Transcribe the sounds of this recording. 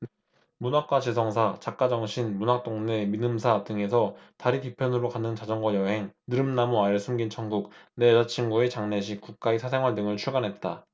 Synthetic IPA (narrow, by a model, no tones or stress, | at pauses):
munak̚k͈wat͡ɕesʰʌŋsʰat͡ɕak̚k͈ad͡ʑʌŋɕʰinmunak̚t͈oŋneminɯmsʰatɯŋe̞sʰʌtaɾikipʰjʌnɯɾokanɯnt͡ɕad͡ʑʌŋɡwʌjʌɦe̞ŋnɯɾɯmnamuaeɭsʰumɡint͡ɕʰʌŋɡuk̚ned͡ʑat͡ɕʰiŋɡue̞t͡ɕaŋne̞ɕʰik͈uk̚k͈aesʰas̬ʰe̞ŋɦwaɭdɯŋɯɭt͡ɕʰuɭɡanɦe̞t̚t͈a